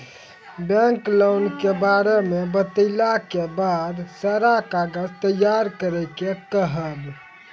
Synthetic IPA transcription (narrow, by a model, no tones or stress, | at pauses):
bɛ̃ŋklownkebaɾemebət̪əlakebad̪səɾakaɡəzt̪əjːaɾkəɾɛkekəɦəb